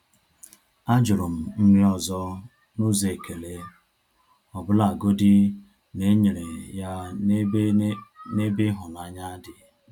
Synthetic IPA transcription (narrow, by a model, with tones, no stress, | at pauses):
a˦d͡ʒʊ˨ɾʊ˨m̩˨m̩˦mʷi˦ɔ˨zɔ˦ | nu˦ze˨ke˨le˦ | ɔ˨bʊ˦la˨ɡo˦di˦ | ne˦ɲe˨ɾe˨ja˦ | ne˦bɪ˦ɦʊ˨na˦ɲa˦a˦dɪ˨